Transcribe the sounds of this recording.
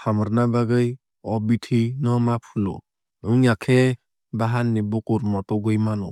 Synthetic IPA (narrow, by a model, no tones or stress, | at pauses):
hamɔɾnabaɡɯj | ɔbitʰinɔmapʰulɔ̰ | ɯŋjakʰɛ | baɦanːibukuɾmɔtɔɡɯjmanɔ̰